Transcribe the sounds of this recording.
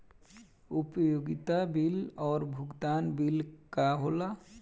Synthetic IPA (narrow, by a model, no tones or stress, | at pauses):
upojoɡit̪abilɔɾbʱuɡd̪anbilkaɦola